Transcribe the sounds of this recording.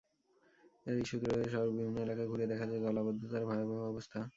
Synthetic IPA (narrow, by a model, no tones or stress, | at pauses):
eɾiʃut̪ɾiɾoeʃɔɾbibʱinːoelakaɡʱuɾed̪ɛkʰad͡ʑaeɡɔlabod̪ʱːot̪aɾbʱaeobɛɔbost̪ʰa